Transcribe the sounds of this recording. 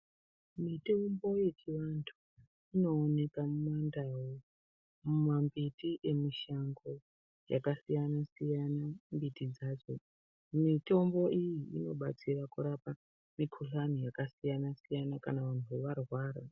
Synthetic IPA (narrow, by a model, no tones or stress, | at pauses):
mito̞mbo̞je̞t͡ʃiʋantʰu | ino̞ːne̞kamumandawo | mumambitiʔe̞miʃaŋɡo̞ | ja̰kasijanasijanambitid͡zaːd͡zo̞ | mito̞mbo̞ʔijiino̞ɓa̰t͡sirakuɾapa | mikʰuɬanijakasijanasijanakanaʋan̤uʋeʋarwaːɾa̰